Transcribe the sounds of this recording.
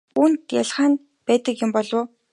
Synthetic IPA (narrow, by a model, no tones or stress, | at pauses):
uːnt̪jaɮχaːn | pæːt̪ə̆kjʊ̆mpɔɮʊː